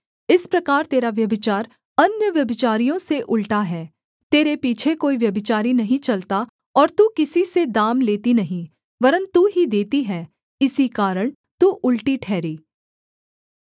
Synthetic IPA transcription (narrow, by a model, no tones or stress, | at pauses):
ɪspɾɐkaːɾt̪eːɾaʋjɐbɪt͡ʃaːɾ | ɐnjəʋjɐbɪt͡ʃaːɾijõseʔʊlʈaɦɛː | t̪eːɾepiːt͡ʃʰekoːiʋjɐbɪt͡ʃaːɾinɐɦĩt͡ʃɐlt̪a | ɔːɾt̪uːkɪsised̪aːmleːt̪inɐɦĩ | bɐɾə̃nuɦid̪eːt̪iɦɛː | ɪsikaːɾəɽ̃ | t̪uːʔʊlʈiʈʰɛːɾiː